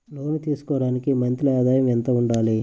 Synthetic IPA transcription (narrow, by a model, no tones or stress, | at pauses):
loːnit̪iːsu̥kɔːɽaːnikimɐnt̪liaːd̪aːjɐmɛnt̪ɐuɳɖaːli